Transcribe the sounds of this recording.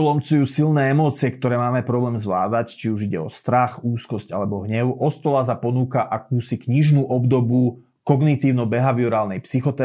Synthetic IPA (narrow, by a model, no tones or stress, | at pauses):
lɔmt͡sujuːsilnɛːɛmɔːt͡sɪɛkt̪ɔɾɛːmaːmɛpɾɔblɛːmzʋlaːd̪act͡ʃiuʒiɟɛ̰ɔst̪ɾaxuːskɔsca̰lɛbɔɦɲɛʊʔɔst̪ɔlas̬apɔnuːkaʔakuːsikɲiʒnuːʔɔbd̪ɔbu | kɔɡnit̪iːʊnɔbɛɦaʋiɔɾaːlnɛjpsixɔt̪ɛ